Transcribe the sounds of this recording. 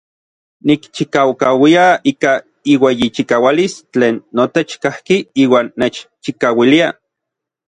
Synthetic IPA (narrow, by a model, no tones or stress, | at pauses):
nikt͡ʃikawkawiaiːka | iwejit͡ʃikaːwalist͡ɬeːnːot̪et͡ʃkahkiiːwaːnːet͡ʃt͡ʃikawilia